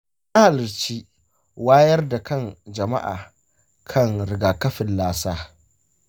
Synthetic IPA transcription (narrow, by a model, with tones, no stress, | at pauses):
ʔa˦ha˨lɪ˨t͡ʃiː˦ | waː˦jɐ˦rda˨kɐ˦nd͡ʒɐ˨ma̰˦ʔa̰ː˨ | kʰɐ˦˨ŋɾɪ˨ɡaː˨kɐ˦ɸɪ˨nlaː˦saː˦